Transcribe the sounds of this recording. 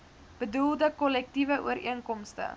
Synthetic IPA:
b̥ədulˠdəkɔlɛk̚tivəʔṵəɾiəŋkɔmstə̰

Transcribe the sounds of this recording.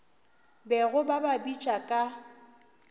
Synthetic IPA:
bɛɣʊbababit͡ʃʼakʼa

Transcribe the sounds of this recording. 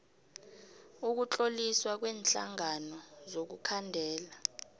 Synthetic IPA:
uk̬ut͡ɬʼoliswak̬wɛːnɬa̰ŋanɔzok̬ukʰandʱɛːla

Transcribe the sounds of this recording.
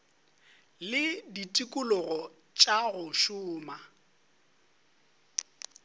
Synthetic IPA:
lɪditʼikʼʊlʊɣɔ | t͡ʃʼaɣʊʃʊːma

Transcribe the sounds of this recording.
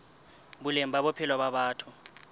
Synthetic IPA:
bulem̩baɓɔpʰilwaɓaɓaːtʰu

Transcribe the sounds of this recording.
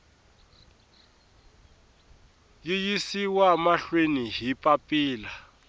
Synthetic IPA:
jijisiwamaɬweniɦipʼapʼiːla

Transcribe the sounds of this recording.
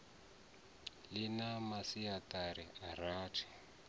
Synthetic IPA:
lɪnamasiataɾiaraːtʰi̥

